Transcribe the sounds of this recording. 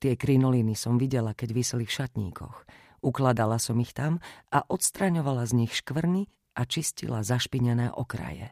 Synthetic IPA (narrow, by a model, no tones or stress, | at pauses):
t̪ɪɛkɾinɔlinisɔmʋiɟɛlakɛɟʋislifʃat̪ɲḭːkʰɔ̰x | ʔuklad̪alasɔmixt̪amʔaʔɔt̪st̪ɾaɲɔʋalazɲixʃkʋr̩ni | ʔat͡ʃiscḭlazaʃpiɲɛnɛːʔɔkɾa̰jɛ̰